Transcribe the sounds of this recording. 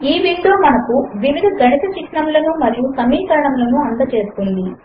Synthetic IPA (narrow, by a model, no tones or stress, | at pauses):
iːʋinʈ̪loːmɐnɐkuʋiʋid̪ʱɐɡʱɐnit̪ɐt͡ʃiʈɳɐmlɐnumɐɾijusɐmiːkɐɾɐɳɐmlɐnuɐnd̪ɐt͡ʃe̞ːsu̥kund̪i